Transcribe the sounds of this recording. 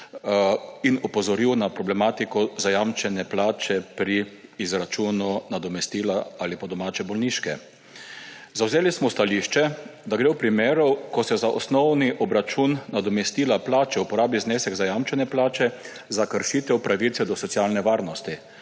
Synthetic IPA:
inɔpɔzɔɾiwnapɾɔblɛmaːt̪ikɔzajamt͡ʃɛnɛplaːt͡ʃɛpɾiːzɾat͡ʃuːnunad̪ɔmɛst̪iːlaalipad̪ɔmaːt͡ʃɛbɔlniːʃkɛ | zawzeːlismɔst̪aliʃt͡ʃɛd̪aɡɾeːwpɾimeːɾɔwkɔsɛzaʔɔ̰snɔwniʔɔbɾat͡ʃunːad̪ɔmɛst̪iːlaplaːt͡ʃɛupɔɾaːbizneːsɛɡzajamt͡ʃɛnɛplaːt͡ʃɛ | zakəɾʃiːt̪ɛwpɾaʋit̪sɛd̪ɔsɔt̪sijaːlnɛʋaːɾnɔst̪i

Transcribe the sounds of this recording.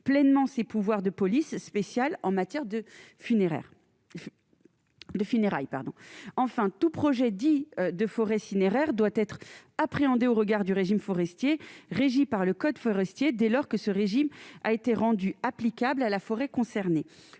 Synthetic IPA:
plɛnmɑ̃sepuvwaʁd̪əpɔlisːpesjalɑ̃mat̪jɛʁd̪əfyneɛ̰ | d̪əfyneʁa̰jpaʁd̪ɔ̰̃ɑ̃fɛ̃t̪upχɔʒɛd̪iød̪əfɔʁɛsineʁɛʁd̪wat̪ɛt̪χapχeɑ̃d̪eoʁəɡaʁd̪yʁeʒimfɔʁɛst̪jeʁeʒipaʁləkɔd̪fɔʁɛst̪jed̪ɛlɔʁkəsəʁeʒima̰et̪eʁɑ̃d̪yaplikablalafɔʁɛkɔ̃sɛʁne

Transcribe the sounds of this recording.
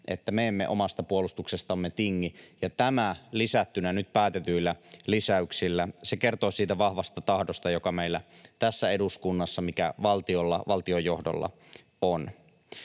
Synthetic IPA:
ʔḛt̪ːæmeemːḛʔo̰mɑst̪ɑpuolust̪uksest̪ɑmːet̪iŋːijɑt̪æmælisæt̪ːynænyt̪̚pæːt̪et̪yilːælisæyksilːæsekert̪oːsiːt̪æʋɑhʋɑst̪ɑt̪ɑhdost̪ɑjokɑmeilːæt̪æsːæeduskunːɑsːɑmikæ̰ʋɑlt̪iolːɑ̰ʋɑlt̪iojohdo̰lːɑ̰ | on

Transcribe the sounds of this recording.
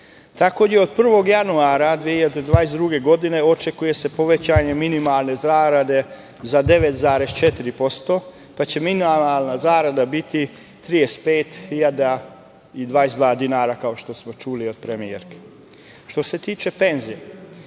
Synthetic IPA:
t̪ako̞jeo̞d̪pr̩ʋo̞ɡjanuaɾad̪ʋijehiʎad̪ed̪ʋaːjesd̪ɾuɡe̞ɡo̞d̪ine̞o̞t͡ʃe̞kuje̞se̞po̞ʋe̞t͡ɕaːɲe̞minimalˠne̞zaːɾad̪e̞ | zad̪e̞ʋet̪zaːɾe̞st͡ʃe̞t̪iɾipo̞st̪o̞ | pat͡ɕe̞minimaalˠnazaːɾad̪abit̪i | t̪ɾijest̪peːt̪hiʎad̪a | id̪ʋaːesd̪ʋaːd̪inaːɾakao̞ʃt̪o̞smo̞t͡ʃulio̞d̪̚pɾemiḛɾke̥ | ʃt̪o̞se̞t̪iːt͡ʃe̞pe̞nzije

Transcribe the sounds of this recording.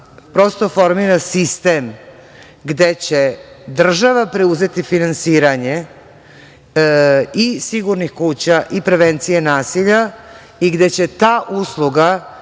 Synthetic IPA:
pɾo̞st̪o̞fo̞ɾmiɾasist̪em | ɡd̪e̞t͡ɕe̞d̪r̩ʒaʋapɾeuze̞t̪ifinansiːɾaɲe̞ | isiɡuɾnixkuːt͡ɕaʔipɾeʋe̞nt̪sijenaːsiʎa | iɡd̪e̞t͡ɕe̞t̪aːʔuslˠuɡa

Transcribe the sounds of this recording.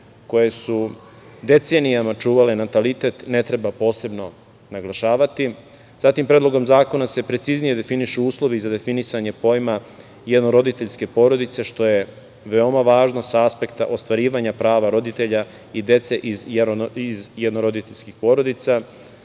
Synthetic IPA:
ko̞je̞su | d̪e̞t̪se̞nijamat͡ʃuːʋalenat̪alit̪e̞t̪ne̞t̪ɾe̞bapo̞ːse̞bno̞ | naɡlaʃaːʋat̪i | z̥at̪impɾed̪lˠo̞ɡo̞mzaːko̞nase̞pɾe̞t̪siznije̞d̪e̞finiʃuuːslˠo̞ʋizad̪e̞finisaɲe̞po̞jma | jed̪noɾo̞d̪it̪e̞ʎske̞po̞ːɾo̞d̪it̪se̞ʃt̪o̞je̞ | ʋe̞o̞maʋaːʒno̞saaspe̞kt̪aʔo̞st̪ʋaɾiːʋaɲapɾaːʋaɾo̞d̪it̪eʎa | id̪e̞t̪se̞ʔizjizjed̪noɾo̞d̪it̪eʎskixpo̞ɾo̞d̪it̪sa

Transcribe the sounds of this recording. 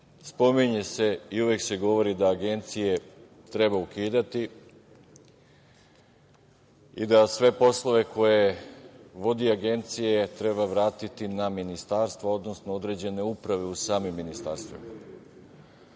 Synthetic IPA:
spo̞miɲe̞se̞iuʋe̞kse̞ɡo̞ʋo̞ɾid̪aːɡe̞nt̪sije̞ | t̪ɾe̞baukiːd̪at̪i | id̪asʋe̞po̞slˠo̞ʋe̞kʰo̞je̞ | ʋo̞d̪iaɡe̞nt̪sije̞t̪ɾe̞baʋɾaːt̪it̪inaminist̪aɾst̪ʋao̞d̪no̞snood̪ɾe̞d͡ʑe̞ne̞upɾaʋe̞usaːmimːinist̪a̰ɾst̪ʋḭma

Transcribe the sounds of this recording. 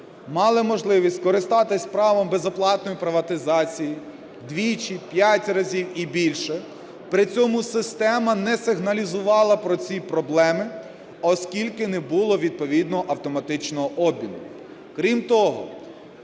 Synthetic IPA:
mɑlˠɪmɔʒlˠɪʋʲisʲtʲkɔɾɪst̪ɑt̪ɪsʲpɾɑʋɐmbezɔplˠɑt̪nɔjipɾɪʋɐt̪ɪzɑt͡sʲiji | d̪ʋʲit͡ʃipʲjatʲrɐzʲiwibʲilʲʃɛ | pɾɪt͡sʲɔmʊsɪst̪ɛmɐnɛsɪɦnɐlʲizʊʋɑlˠɐpɾɔt͡sʲipɾɔblˠɛmɪ | ɔskʲilʲkɪnɛbʊlˠɔʋʲid̪̚pɔʋʲid̪nɔɦɔʔɐwt̪ɔmɐt̪ɪt͡ʃnɔɦɔʔɔbʲinʊ | kɾʲimt̪ɔɦɔ̰

